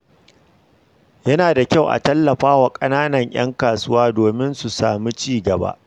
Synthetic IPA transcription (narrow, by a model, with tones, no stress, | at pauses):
jɐ˦naː˨da˨kʲa˦˨wʔa̰˨tɐ˦lːɐ˨ɸaː˦wa˨kʼɐ˦naː˦nɐ˨ɲʔɐ̰˦ŋkaː˨sʊ˦waː˦doː˨mɪ˦nsu˨saː˨mi˦t͡ʃiː˦ɡɐ˨ba̰ː˦ʔ